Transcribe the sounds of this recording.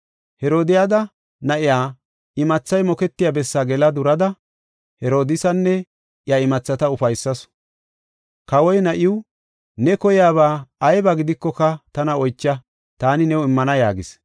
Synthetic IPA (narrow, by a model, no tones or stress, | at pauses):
hɛɾoːd̪ɪjad̪ɐ | nɐʔɪjaː | ɪmɐt͡sːɐjmɔkɛt̪ːɪjaːbɛsːaːɡɛlɐd̪ʊɾɐd̪ɐ | hɛɾo̞ːd̪ɪsɐnːɛ | ʔjɐɪmɐt͡sːɐt̪ɐʊfɐjsːɐs | kɐwɔjnɐʔɪwʊ | nɛkɔjɪjaːbaːjbɐɡɪd̪ɪkːɔkɐt̪ɐnɐɔjt͡ʃːɐ | t̪aːnɪnɛwɪmːɐnɐjaːɡɪs